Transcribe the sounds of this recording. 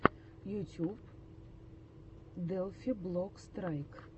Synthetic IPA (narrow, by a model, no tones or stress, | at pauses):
jutʲup | d̪ɛlˠfʲiblˠɔkst̪ɾajk